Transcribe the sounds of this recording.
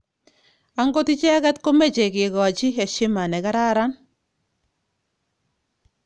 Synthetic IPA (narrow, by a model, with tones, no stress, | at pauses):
a˦ŋɡo˦ti˦t͡ʃɛ˦ka˦tko˦me˦t͡ʃe˨kɪ˨kɔ˨t͡ʃi˦ɛ˨ʃɪ˦ma˨nɛ˨ka˦ɾa˦ɾa˦n